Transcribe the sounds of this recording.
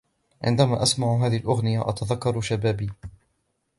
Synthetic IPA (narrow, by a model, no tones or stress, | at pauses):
ʕɪ̰nd̪amaːʔasmaʕʊɦaːðɪhɪlʔʊɣnɪjaʔat̪aðakːɑɾˤʃabaːbiː